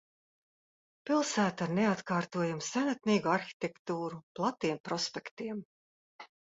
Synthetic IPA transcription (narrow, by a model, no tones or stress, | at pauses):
pilˠsæːt̪aɾneat̪kaːɾt̪uɔjumsænat̪̚niːɡuaɾxi̥t̪ʲekt̪uːɾuplˠat̪ːiɛmpɾɔspɛkt̪iɛm